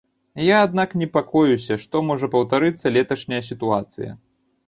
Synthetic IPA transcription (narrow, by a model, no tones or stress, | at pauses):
jaːd̪naknʲɛpakɔjusʲɐʂt̪ɔmɔʐɐpɐwt̪aɾɨt̪sːɐlʲɛt̪ɐʂnʲɐjɐsʲit̪uat̪sɨ̰jɐ̰